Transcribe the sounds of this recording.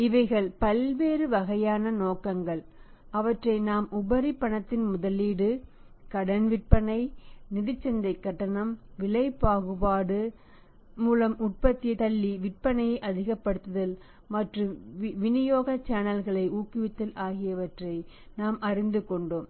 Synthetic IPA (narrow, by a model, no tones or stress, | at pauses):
ɪʋɐɪɣɐɭpɐlʋeːɾɯʋɐɣɐjaːnɐnoːkɐŋɡɐɭ | ɐʋɐʈrɐɪnaːmʔʊbɐɾipːɐɳɐt̪ːɪnmʊðɐlːiːɽɯ | kɐɽɐnʋɪʈ̚pɐnɐɪnɪðɪt͡ʃːɛnd̪ɐɪkːɐʈːɐnɐmʋɪɭɐɪpaːɣɯpaːɽɯ | muːlɐmʊʈ̚pɐt̪ːɪjɐt̪ɐlːiʋɪʈ̚pɐnɐjɐɪʔɐðɪɣɐpːɐɽɯt̪ːɐðɐl | mɐʈrɯmʋɪnɪjoːɣɐt͡ʃːaːnɐlɣɐɭɐɪʔuːkːɪʋɪt̪ːɪlʔaːɣɪjɐʋɐʈrɐɪnaːmʔɐrɪnd̪ɯkɔɳɖoːm